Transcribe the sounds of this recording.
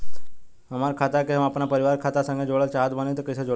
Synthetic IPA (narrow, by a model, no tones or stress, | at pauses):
ɦəmaɾkʰat̪akeɦəmapɳapəɾiʋaɾkʰat̪asə̃ŋɡed͡ʒoɭalt͡ʃɦat̪mənit̪əkəjsəd͡ʒo